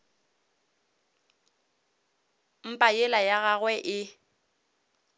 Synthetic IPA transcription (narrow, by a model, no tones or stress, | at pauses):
m̩pʼajɪlajaɣaɣwɛʔɪ